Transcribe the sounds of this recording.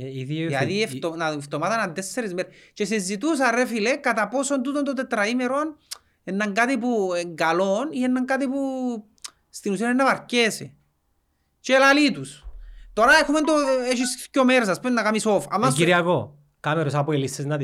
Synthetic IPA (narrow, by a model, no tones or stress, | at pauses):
iðiɐðieft̪onɐft̪omat̪ɐnɐnd̪esːeɾizmeɾt͡ʃes̬ezːit̪us̬ɐrefilekɐt̪ɐposo̞nt̪̬ut̪ont̪ot̪et̪ɾɐimeɾon | enːɐŋɡat̪ip̬ueŋɡalonienːɐŋkat̪̬ipu | st̪inusionenːɐvɐɾcesi | t͡ʃelalit̪ust̪oɾɐexument̪oeʃiscomeɾs̬ɐspenɐkamisofɐ̰mːaskiɾiɐɣo | kameɾos̬ɐpoilisesnɐt̪i